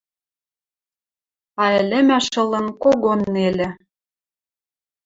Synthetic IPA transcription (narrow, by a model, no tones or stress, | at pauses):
ɑĕlɘ̆mæʃɤ̆lɤ̆nkoɣonːelɘ̆